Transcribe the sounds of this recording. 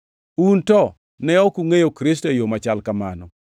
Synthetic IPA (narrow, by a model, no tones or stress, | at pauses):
untɔ | nɛɔkuŋejokɾis̬tojomat͡ʃalkamanɔ